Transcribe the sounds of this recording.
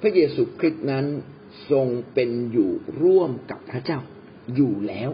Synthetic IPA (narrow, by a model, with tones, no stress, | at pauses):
pʰɾa˦˥jeː˧suː˧˥kʰɾi˦˥t̪̚na˦˥n | so˧ŋpe˧njuː˨˩ɾu˥˩əmka˨˩pʰːɾa˦˥t͡ɕaː˥˩w | juː˨˩lɛː˦˥w